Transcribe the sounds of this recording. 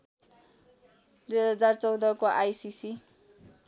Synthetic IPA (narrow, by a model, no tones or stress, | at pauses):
d̪ujɦɦʌd͡zart͡sʌw̃d̪ʌkoʔajsisi